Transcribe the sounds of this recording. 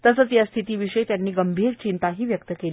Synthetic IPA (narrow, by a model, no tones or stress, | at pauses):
t̪əsət͡sjast̪ʰit̪iːʋiʂəjt̪janːiːɡəmbʱiːɾt͡ɕint̪aɦiːʋjək̚t̪əkel